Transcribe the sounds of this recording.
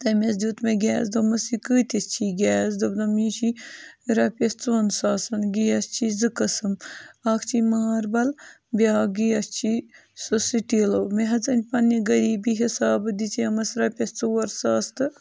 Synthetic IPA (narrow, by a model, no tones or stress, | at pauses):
t̪ɐmʲɐsd̪ʲuːt̪meɡʲɛːs̬d̪omɐsikɨːt̪ʲɐst͡ʃʰiɡʲɛːsd̪obnɐmiːʃiɾɐpʲɐst͡soːnsaːsɐnɡijɐst͡ʃʰizɨkɐsɨmaːkʰt͡ʃʰimaːɾbɐl | bʲaːɡijɐst͡ʃʰisosiʈiːloːmeɦɐt͡sɐnʲpɐnːiɡɐɾiːbiɦisaːbɨd̪it͡siɐmɐsɾɐpʲɐht͡soːɐɾsaːst̪ɨ